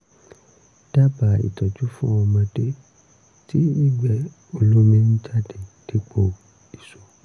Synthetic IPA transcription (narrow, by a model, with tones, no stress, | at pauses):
d̥a˦ba˨ḭ˨tɔ˨d͡ʒu˦fũ˦ɔ̃˧mã˧de˦ | ti˦nĩ˦˨ɡ͡bɛ˦ | o˧lo˦mẽ˦nũ˦d͡ʒa˦˨di˨d̥i˦k͡po˦˨ | i˨so˨